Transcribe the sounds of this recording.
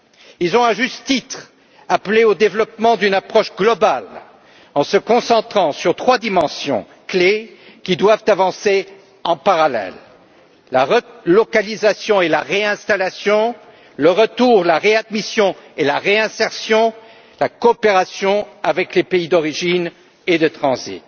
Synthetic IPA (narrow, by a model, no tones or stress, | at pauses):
ilzɔ̃ɛ̃ʒyst̪t̪it̪χ | apleod̪evlɔpmɑ̃d̪ynapχɔʃɡlɔbal | ɑ̃səkɔ̃sɑ̃t̪χɑ̃syʁt̪χwad̪imɑ̃sjɔ̰̃ | klekʲid̪wavt̪avɑ̃se | ɑ̃paʁalɛ̰lː | aʁəlɔkalizasjɔ̃elaʁeɛ̃st̪alasjɔ̃ | ləʁət̪uʁlaʁead̪misjɔ̃elaʁeɛ̃sɛʁsjɔ̃ | lakɔːpeʁasjɔ̃avɛklepeid̪ɔʁiʒin | ed̪ət̪χɑ̃zḭt̪